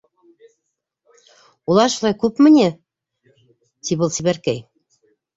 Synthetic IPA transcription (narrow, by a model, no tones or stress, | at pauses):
ulˠɑɾʃulˠɑjkʉpmɘ̆ne | t̪ʰibulˠsiβæɾkæj